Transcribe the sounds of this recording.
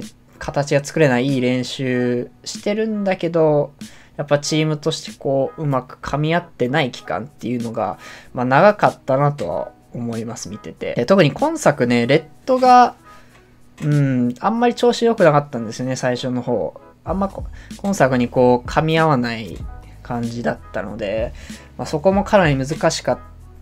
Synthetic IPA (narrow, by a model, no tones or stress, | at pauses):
kʰat̪at͡ɕiɡat͡sɨ̥kɯ̟ɾe̞naiiːɾẽ̞ɰ̃ɕɨːɕi̥t̪e̞ɾɯ̟̃nd̪ake̞d̪o̞japːat͡ɕiːmɯ̟t̪o̞ɕi̥t̪e̞̥ko̞ːɯ̟makɯ̟̥kʰamʲiat̪ːe̞naikʲi̥kã̰nt̪ːe̞jɯ̟no̞ɡa̰manaɡakat̪ːanat̪o̞̰βa̰ | o̞mo̞imasɨmʲit̪e̞t̪e̞̰et̪o̞k̟ɲ̟ikʰõ̞ɰ̃sakɯ̟ne̞ɾe̞t̪ːo̞ɡa | ɯ̟̃ɴãmːaɾʲit͡ɕo̞ːɕijo̞kɯ̟nakat̪ːãnd̪e̞sɨjo̞ne̞saiɕo̞no̞ho̞̰ː | ãmːakõ̞ɰ̃sakɯ̟ɲ̟iko̞ːkʰamʲiaβanai | kʰãɲ̟d͡ʑid̪at̪ːa̰no̞̰d̪e̞ | maso̞ko̞mo̞kʰanaɾʲimɯ̟zɨkaɕi̥kat̪ː